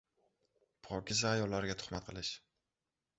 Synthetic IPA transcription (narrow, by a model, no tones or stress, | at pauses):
pʰɒkʲɪzajɒlːaɾɡʲat̪ʰʊ̥χmat̪̚qʰɨlˠɪʃ